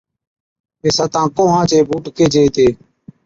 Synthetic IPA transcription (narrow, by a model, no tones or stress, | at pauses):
meːsaːt̪ãːkõːɦãːt͡ʃeːbuːʈkeːd͡ʒʱeːt̪eː